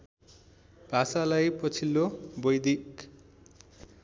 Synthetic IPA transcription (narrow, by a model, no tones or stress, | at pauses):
b̥ʱasalajpʌt͡sʰilːobʌjd̪ik